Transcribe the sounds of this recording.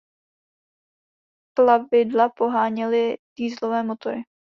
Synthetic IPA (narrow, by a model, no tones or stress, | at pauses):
klavɪdlapo̞ɦaːɲɛlɪd̪̥iːzlo̞vɛːmot̪oɾɪ